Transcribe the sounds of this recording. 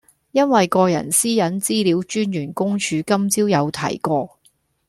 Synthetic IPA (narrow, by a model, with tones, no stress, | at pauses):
jɐ˥nwɐ˨jkɔː˧jɐ̰˨˩nsiː˥jɐ˨˥nt͡siː˥liː˨˥wt͡ʃyː˥njyː˨˩nkʊ˥ŋt͡ʃʰyː˨˧kɐ˥mt͡siː˥wjɐ˨˧wt̪ʰɐ̰˨˩jkɔː˧